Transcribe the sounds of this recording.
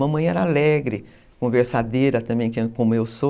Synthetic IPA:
ɐ̃mɐ̃j̃ɛɾɐalɛɡɾɪ | kõveɾsad̪eɾɐt̪ɐ̃mbẽj̃kekõmʊewso

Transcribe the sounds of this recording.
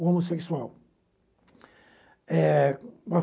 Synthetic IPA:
omoseksuaw | ɛba

